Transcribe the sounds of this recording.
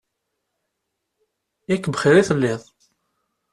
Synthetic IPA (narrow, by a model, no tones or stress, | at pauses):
ækːbχiɾiθəlːɪðˤ